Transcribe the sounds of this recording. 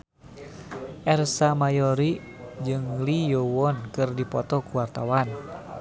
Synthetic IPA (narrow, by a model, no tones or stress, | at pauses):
ʔɛrsamajɔɾi | d͡ʒɨŋlijowɔnkɨrdipɔt̪ɔkuwart̪awan